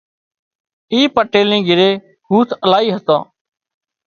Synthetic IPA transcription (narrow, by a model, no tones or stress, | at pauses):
iːpəʈeːlĩːɡʱɪɾeː | huːt̪ʰəlaːiːɦət̪ãː